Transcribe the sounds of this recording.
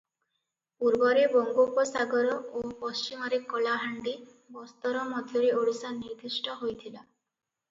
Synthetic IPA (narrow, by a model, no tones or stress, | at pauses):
puɾbɔɾebɔŋɡopɔsaɡɔɾɔopɔst͡ʃimɔɾekɔlaɦaɳɖi | bɔst̪ɔɾɔmɔd̪ʱjɔɾeoɽisaniɾd̪isʈɔɦojt̪ʰila